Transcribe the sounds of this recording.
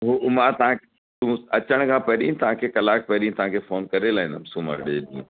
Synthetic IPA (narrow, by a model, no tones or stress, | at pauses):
ɦumãt̪ɐʋã | t̪ʊũɐt͡ɕəɽ̃kʰãːpɐɗĩt̪ɐʋãːkʰeːkɐlaːk̚pɐɦɗĩt̪ɐʋ̤ãkʰeːfoːnkɐɾelaːɦĩnd̪əmsuːmə̰ɾɗeɗḭ̃ː